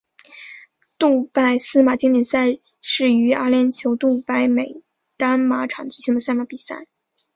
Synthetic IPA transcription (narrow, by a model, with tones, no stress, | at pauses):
t̪u˥˧pa˥˩ɪsɹ̩˥ma˨˩t͡ɕi˥ŋt̪jɛ˨˩nsa˥˧ɪ | ʂɻ̩˥˩y˧˥a˥ljɛ˧˥nt͡ɕʰjo˧˥ʊt̪u˥˩pa˧˥ɪme˨˩ɪ | t̪a˥nma˧˥ʈ͡ʂʰɑ˨˩ŋt͡ɕy˨˩ɕi˧˥ŋd̪ə˧sa˥˧ɪma˧˥pi˨˩sa̰˥˩ɪ